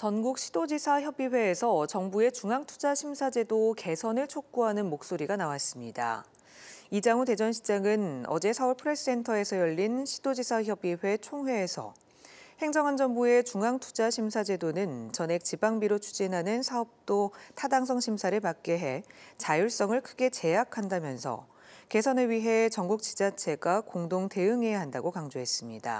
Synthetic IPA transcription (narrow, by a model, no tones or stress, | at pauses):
t͡ɕʌnɡuk̚ɕʰi̥d̥od͡ʑisʰaçjʌbiɸwe̞ːsʰʌt͡ɕʌŋbue̞t͡ɕuŋaŋtʰu̥d͡ʑaɕʰimsʰad͡ʑe̞doke̞sʰʌnɯɭt͡ɕʰok̚k͈uɦanɯnmok̚s͈oɾiɡanawas͈ɯmɲida̰ | id͡ʑaŋute̞d͡ʑʌnɕʰid͡ʑaŋɯnʌ̰d͡ʑe̞sʰauɭpʰɯɾesɯse̞ntʰʌe̞sʰʌjʌʎːinɕʰi̥dod͡ʑisʰaçjʌbiɸe̞t͡ɕʰoŋɦwe̞ːsʰʌ̰ | he̞ŋd͡ʑʌŋɦand͡ʑʌŋbue̞t͡ɕuŋaŋtʰu̥d͡ʑaɕʰimsʰad͡ʑe̞donɯnt͡ɕʌne̞k̚t͡ɕibaŋbiɾot͡ɕʰu̥d͡ʑinɦanɯnsʰaʌp̚t͈otʰadaŋsʰʌŋɕʰimsʰaɾɯɭpak̚k͈eɦe̞t͡ɕajuɭs͈ʌŋɯɭkʰɯɡe̞t͡ɕe̞jakʰandamjʌnsʰʌ̰ | ke̞sʰʌnɯɭɥiɦe̞t͡ɕʌŋɡuk̚t͡ɕi̥d͡ʑat͡ɕʰe̞ɡakoŋdoŋte̞ɯŋɦe̞jaɦandaɡokaŋd͡ʑoɦe̞s͈ɯmɲida̰